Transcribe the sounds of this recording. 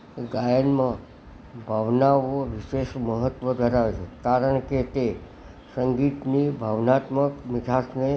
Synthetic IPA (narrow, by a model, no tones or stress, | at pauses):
ɡajənmã | bʱaʋnaʋoʋiʃeʃməɦət̪ʋəd̪ʱəɾaʋet͡ʃʰekaɾəɳket̪e | səŋɡit̪nibʱaʋnat̪məkmɪd͡ʒʰʱasne